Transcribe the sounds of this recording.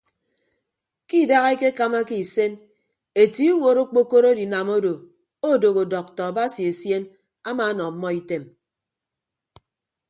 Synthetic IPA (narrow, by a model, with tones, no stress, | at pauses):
ki˦˨da˦ɣe˦ke˦ka˦ma˦ki˦˨se˦n | e˨ti˦wo˨ɾo˦k͡po˦ko˦ɾo˦di˨na˨mo˦do˨ | o˦˨do˨ɣo˨dɔ˨k̚tɔ˨a˨ba˦si˨e˨sje˦n | a˦ma˨˦nɔ˨m̩˦mːɔ˦i˦te˦m